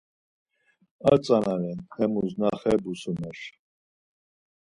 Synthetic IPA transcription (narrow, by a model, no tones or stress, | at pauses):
at͡sʼanalɛnχɛmuznaχɛbusumaʃ